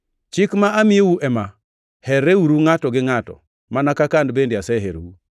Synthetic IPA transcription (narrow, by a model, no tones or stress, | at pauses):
t͡ʃɪkmaʔamɪewuʔɛma | hɛɾewuɾuŋatɔɡɪŋatɔ̰ | manakakandbendɪasɛɦeɾḛu